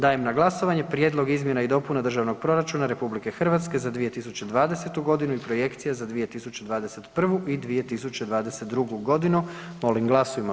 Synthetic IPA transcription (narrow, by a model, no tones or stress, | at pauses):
d̪aːjemnaɡlˠasoʋaɲe̞pɾje̞ːd̪lˠo̞ɡizmje̞naid̪o̞punad̪r̩ʒaʋno̞ɡ̚pɾo̞ɾat͡ʃunaɾe̞publike̞xr̩ʋat̪ske̞zad̪ʋije̞t̪is̬ut͡ɕe̞d̪ʋaːd̪e̞se̞t̪uɡo̞d̪inuipɾo̞je̞kt̪sijazad̪ʋije̞t̪isut͡ɕe̞d̪ʋaːd̪ese̞t̪pr̩ʋuʔid̪ʋije̞t̪isut͡ɕed̪ʋaːd̪e̞set̪̚d̪ɾuɡuɡo̞d̪inu | mo̞liŋɡlˠasujima